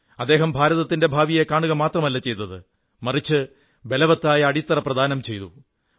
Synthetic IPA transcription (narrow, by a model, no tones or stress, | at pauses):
ɐd̪ːe̞ːɦɐmbʱaːɾɐðɐt̪ːinde̞bʱaːʋijekaːɳuɣɐmaːt̪rɐmɐlːɐt͡ɕe̞jt̪ːɐðɨ | mɐrit͡ɕːɨ | belɐʋɐt̪ːaːjɐːɽit̪ːɐrɐprɐd̪ʱaːnɐmt͡ɕe̞jt̪u